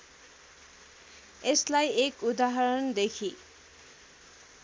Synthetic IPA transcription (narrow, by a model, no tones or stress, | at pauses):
eslajekud̪aɦʌɾʌnd̪ekʰi